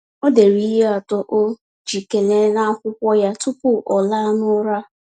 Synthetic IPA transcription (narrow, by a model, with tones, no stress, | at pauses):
o˦de˨ɾi˦ɦe˦a˨tɔ˦ʔo˦ | d͡ʒi˨ke˨le˦na˦kʷʊ˦kʷɔ˦ja˦tʊ˦pʊ˦ʔɔ˨la˦nʊ˦ɾa˦